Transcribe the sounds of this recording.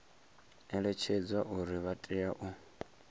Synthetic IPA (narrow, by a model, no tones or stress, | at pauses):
ɛɺɛt͡ʃʰed͡zwaʔuɾiβatʼiaʔu